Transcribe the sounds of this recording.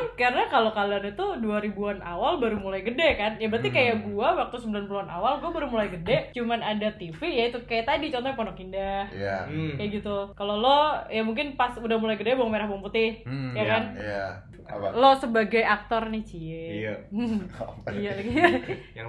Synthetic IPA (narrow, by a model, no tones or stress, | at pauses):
nkaɾənakalokalanit̪uduaɾibuanʔawalbaɾumulajɡədekanjabəɾat̪ikajaɡuawak̚t̪usəmbilanpuluana̰walɡuabaɾumulajɡədɛt͡ʃumanadat̪ifijait̪ukajat̪adit͡ʃɔnt̪ɔŋpɔnɔkindahajaɡit̪ukalolɔjamuŋk̬ɪnpasudahmulajɡədebaŋmeɾahbaŋput̪ɪhjakana̰ | lɔsəbaɡajak̚t̪ɔrnɪht͡ʃi | ijalaɡia